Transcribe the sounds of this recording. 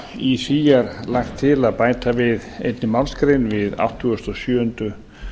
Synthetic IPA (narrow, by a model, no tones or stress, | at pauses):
isiːjaɾlaxt̪ʰːɪlaðpaːjt̪avɪðḛjt̪nɪmalskɾɪnvɪða̰wht̪ʰːʏʏst̪ɔsjœːʏnt̪ʏ